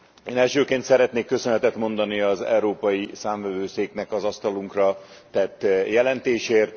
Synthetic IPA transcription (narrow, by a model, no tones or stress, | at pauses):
eːnɛlʃøːkeːnt̪sɛɾɛt̪neːkːø̞sønɛt̪ɛt̪mo̞nd̪ɒniɒzɛ̰uɾoːpɒjisaːɱvɛvøːseːknɛkɒzɒst̪ɒluŋkrɒt̪ɛt̪ːjɛlɛnt̪eːʃeːrt̪